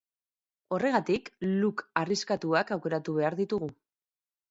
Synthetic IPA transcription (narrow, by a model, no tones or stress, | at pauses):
o̞re̞ɣat̪iklukariskat̪uakawke̞ɾat̪uβ̞e̞aɾðit̪uɣu